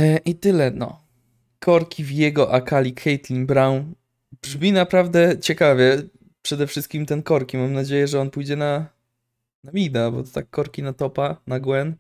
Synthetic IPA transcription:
ʔit̪ɘlɛnɔ̰ | kʰɔɾkʲivjɛɡɔʔakalʲikxɛjt̪lʲiŋbɾaw̃ | bʐmʲinapɾavd̪ɛt͡ɕɛkavʲjɛ | pʂɛd̪ɛfʂɘst̪̚kʲimt̪ɛnkɔɾkʲimamnad͡ʑejɛʐɛɔnpujd͡ʑɛna | namʲid̪abɔ̰t̪ɔt̪akʰːɔɾkʲinat̪ɔpanaɡwɛn

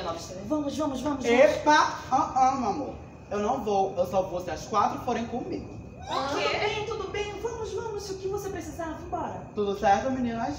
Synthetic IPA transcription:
nɔ̃sẽvɐ̃mʊʒvɐ̃mʊʒvɐ̃mʊʒeʃpaɐ̃ɐ̃mɐ̃mo̰ɾ | ewnɐ̃w̃vowewsɔvowsiɐʃkwat̪ɾʊfoɾẽj̃kõmḭɡʊ | okeɛt̪ud̪ʊbẽj̃vɐ̃mʊʒvɐ̃mʊʃʊkɪvosepɾesizaɾvũbɔɾɐt̪ud̪ʊsɛɾt̪uminĩnaʃ

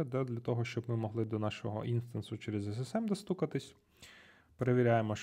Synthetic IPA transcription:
ɐd̪ɛd̪lʲɐt̪ɔɦɔʃt͡ʃɔbmɪmɔɦlˠɪd̪ɔnɑʃɔɦɔ̰ʔinst̪ɐnsʊt͡ʃeɾezɛs̬ɛsɛmd̪ɐst̪ukɐt̪ɪsʲ | peɾeʋʲiɾʲajemɔʃ

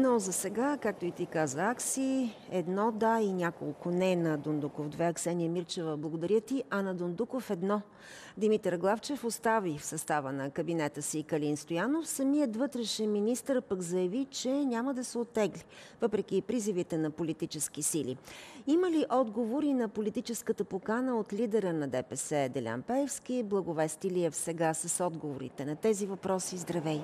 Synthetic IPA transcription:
nɔzɐsɛɡakak̚t̪oit̪ikazəaksiɛd̪nɔd̪ainʲako̰lˠkʊnɛnɐd̪ond̪ukofd̪vɛɐksɛnijəmiɾt͡ʃɛvəblˠɐɡod̪ɐɾʲjət̪iʔɐnɐd̪ond̪ukofɛd̪nɔ | d̪imit̪ɾɡlˠaft͡ʃɛfost̪avifsɐst̪avənɐkəbinɛt̪əsikɐlinst̪ojanofsɐmijət̪vɤt̪ɾɛʃɛminist̪əɾpəkzɐjɐvit͡ʃɛnʲaməd̪ɐsɛot̪ːɛɡlivɤpɾɛk̟ipɾizivit̪ɛnɐpolit̪it͡ʃɛsk̟isilḭiməliʔɔd̪ɡovoɾinɐpolit̪it͡ʃɛskət̪əpokanəot̪lid̪ɛɾənɐd̪ɛpɛsɛd̪ɛlʲa̰npɛɛfskʲiblˠəɡovɛst̪iliɛfsɛɡasəsɔd̪ɡovoɾḭt̪ɛnɐt̪ɛzivɐpɾɔsizd̪ɾɐvɛj

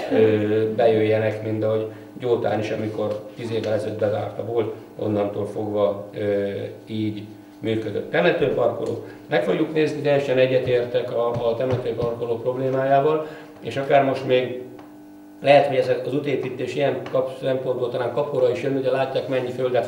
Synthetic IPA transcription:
øbɛjøjːɛnɛkmint̪ɒɦo̞ɟ | ɟoːt̪a̰ːniʃɒmiko̞rt̪iːzeːvɛlɛzød̪̚bɛza̰ːrt̪ɒvoːl | o̞̰nːɒnt̪oːlfo̞ɡʋɒøiːɟ | myːkød̪ø̰t̪ːɛmɛt̪øːpɒrko̰lo̰ːk | mɛkfo̞ɡjukneːznit̪ɛjɛʃɛnɛɟːɛt̪eːrt̪ɛkɒt̪ɛmɛt̪øːpɒrkoloːpro̞bleːmaːjaːvɒl | ḛːʃɒkaːrmo̞ʃt̪meːɡ | lɛɦɛt̪ho̞ɟɛzɛɒzut̪eːpiːt̪ːeːʃijɛŋkɒpsɛmpord̪bolt̪ɒnaːŋkɒpoɾɒiʃjønːioɛlaːcːaːkmɛɲːiføld̪ɛ

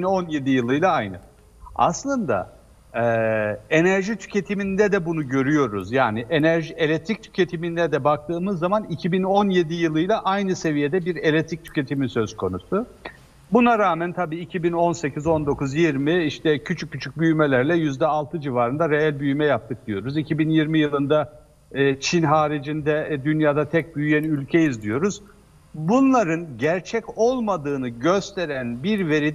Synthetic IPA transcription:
ino̞nje̞d̪ijɯlˠɯjlˠaajnɯ | a̰slˠɯnd̪a̰ | ɛːe̞næɾʒit̪ʰy̥cʰe̞t̪ʰiminid̪ɛd̪ɛbunuɟø̞ɾyjo̞ɾuzjaːniʔenæɾʒielʲɛt̪ʰɾic̚t̪ʰy̥cʰe̞t̪ʰimind̪ɛd̪ɛbak̚t̪ʰɯːmɯzːamanicʰibino̞nje̞d̪ijɯlˠɯjlˠaʔajnɯse̞vije̞d̪ɛbiɾe̞lʲɛt̪ʰɾic̚t̪ʰy̥cʰʲe̞t̪ʰimisø̞z̥kʰo̞nusʊ | bunaɾaːmænt̪ʰabiːicʰibino̞nse̞cʰizo̞nd̪o̞kuzjiɾmiiʃt̪ʰɛcʰyt͡ʃʰycːyt͡ʃʰyc̚byjmelʲæɾlʲɛjyzd̪ɛalˠt̪ʰɯd͡ʒivaːɾɯnd̪aɾeælʲbyjymɛjap̚t̪ʰɯk̚d̪ijo̞ɾuzicʰibinjiɾmijɯlˠɯnd̪aː | t͡ʃʰinɦaːɾid͡ʒind̪ɛd̪ynjaːd̪at̪ʰɛc̚byjyjænylʲcʰe̞jizd̪ijo̞ɾuz̥ | bunlˠaɾɯnɟæɾt͡ʃʰɛco̞lˠmad̪ɯːnɯɟøst̪ʰe̞ɾænbiɾve̞ɾid̪

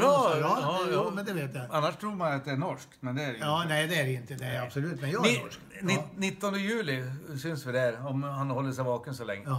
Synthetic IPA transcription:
ɑːɑɑjːmɛnd̪ɛʋeːt̪jɑanːaʂt̪ʰɾuːɾmanat̪̚d̪ɛænɔʂkmɛnd̪ɛæɾːnæɪd̪ɛæɾɪnt̪ːəd̪ɛæabsɔlʉːt̪ːmɛnjɑɪɔ | nɪnɪt̪ːɔnd̪əjʉːlɪsʏnsʋɪd̪æɾɔmhanhɔlːəʂɛɪʋɑːkənsɔlɛ̰ŋːə

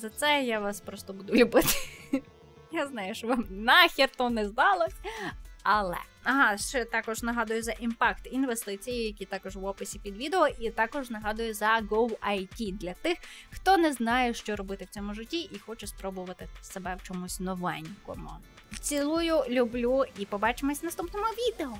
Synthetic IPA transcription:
zɐt̪sɛjaʋɑspɾɔst̪ɔbud̪ʊlʲʊbɪt̪ɪ̥ | jaznɑjʊʃt͡ʃɔʋɑmnɑxʲirt̪ɔnɛzd̪ɑlˠɔsʲɐlˠɛ̰ | ɐɦɑʃt͡ʃɛt̪ɑkɔʒnɐɦɑd̪ʊjʊzɐʔimpɑkt̪inʋest̪ɪt͡sʲijijɐkʲit̪ɑkɔʒʋɔpɪsʲipʲid̪ʋʲid̪eɔʔit̪ɑkɔʒnɐɦɑd̪ʊjʊzɐɡɔwɐjtʲid̪lʲɐt̪ɪxxt̪ɔnɛznɑjɛʃt͡ʃɔɾɔbɪt̪ɪwt͡sʲɔmʊʒɪtʲːiʔixɔt͡ʃɛspɾɔbʊʋɐt̪ɪsebɛwt͡ʃɔmʊsʲnɔʋɛnʲkɔ̰mʊ | t͡sʲilˠujʊlʲʊblʲuipɔbɑt͡ʃemɔsʲɐnɐst̪upnɔmʊʋʲid̪eɔ

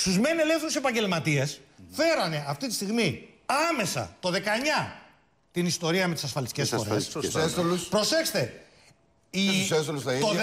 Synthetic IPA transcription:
st̪uzmenelefθeɾuse̞pɐɲɟe̞lmɐt̪iɐsfe̞ɾɐne̞ɐft̪it̪i̥st̪iɣmiɐme̞sɐ̰t̪o̞ðe̞kɐɲɐ | t̪inist̪o̞ɾiɐme̞t̪i̥sɐsfɐlisicesfo̞̰ɾḛsesoluspɾo̞se̞kst̪e̞ | isest̪olusɐio

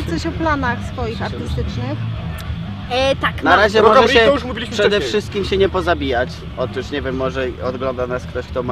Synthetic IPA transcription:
t̪sɔɕɔplanaxsfɔjixaɾɨst̪ɘt͡ʂnɘx | t̪aknaɾɾaʑɛmɔʐɛɛɔuʂmuvʲilʲiʂɛd̪ɛfʂʂɘst̪kʲimɕɛɲɛpɔzabʲijat͡ɕ | ɔt̪uʂɲɛvʲjɛmːɔʐɛɔd̪ɡlɔnd̪anaskt̪ɔɕkt̪ɔma

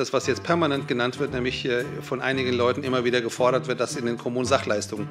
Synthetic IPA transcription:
asv̥asjɛt͡stpʰɛɐmanɛntɡ̥ənantv̥ɪɐtnɛːmlɪçɛfɔnʔa̰ɪnɪɡən̩lɔʏtn̩ʔɪmɐviːdɐɡəfɔɐɾɐtv̥ɪɐt̚d̥asɪndeːnkʰɔmuːnzaχlaɪstʊŋən

